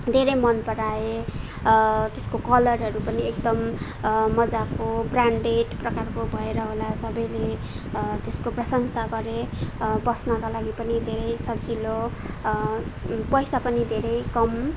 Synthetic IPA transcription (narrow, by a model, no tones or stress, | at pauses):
d̪ʱeɾʌjmʌnpʌɽae | t̪eskokʌlʌrɦʌɾupʌniek̚d̪ʌmː | ʌd͡zakobraɳɖeʈprʌkarkobʱʌeɾʌɦolasʌbʌjle | t̪eskoprʌsʌŋsaɡʌɾebʌsnakalaɡipʌnid̪ʱeɾʌjsʌbd͡zilo | pʌjsapʌnid̪ʱeɾʌjkʌm